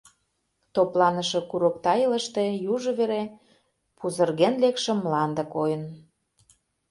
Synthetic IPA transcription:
t̪oplɑnəʃɤ̽kuɾok̚t̪ɑjələʃt̪ejuʒŏβeɾe | puzə̆rɣenlekʃə̆mːlɑnd̪ə̆kojə̆n

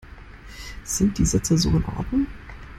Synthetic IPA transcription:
z̥ɪnt̚d̥iːzɛt͡sɐzo̰ːɪnʔɔ̰ɐdnʊŋ

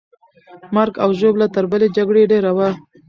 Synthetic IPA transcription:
maɾɡawʒoblat̪əɾbəled͡ʒaɡɽeɖeɾawa

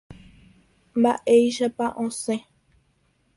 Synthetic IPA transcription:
mba̰ʔejʃapaʔõsẽ

